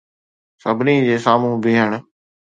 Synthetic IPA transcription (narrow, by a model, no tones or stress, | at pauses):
səbʱniːd͡ʑeːsaːmũːbʱɪːɦəɳ̃